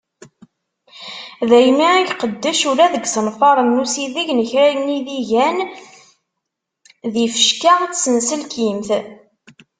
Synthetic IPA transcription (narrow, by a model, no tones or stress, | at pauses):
ðæjmiæɡqəd̪ːæʃuɾæðəɡsənfɑɾˤənːusiðiʝnəçɾæjniðiʝæn | ðifə̥ʃkaʁt͡sːsənsəlkimθ